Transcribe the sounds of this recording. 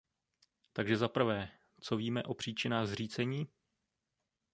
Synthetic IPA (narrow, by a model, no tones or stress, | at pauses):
t̪aɡʒɛzapr̩vɛː | t͡so̞viːmɛʔo̞pr̝̥iːt͡ʃɪnaːɣzriːt͡sɛɲiː